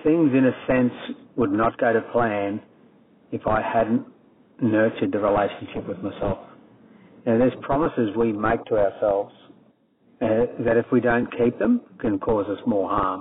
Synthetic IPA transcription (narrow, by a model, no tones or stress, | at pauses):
θɪ̃ŋzɨ̃nɨsɛ̃nswədⁿnət̚ɡ̥oʊɾɨpʰl̥æ̃n | ɨfaɪhædⁿn̩ | nɜ˞t͡ʃɨd̪̚ɨɹileɪʃn̩ʃɪpwɨðmaɪsɛlˠf | naʊðə˞z̥pʰɹ̥ɑməsɨzwimeɪk̚tʰəaʊə˞sɛlˠvz̥ | ɨðɨɾɨfwidõʊ̃nkʰip̚ðɨ̃mkʰɨ̃nkʰɔzɨsmɔlˠhɑɹm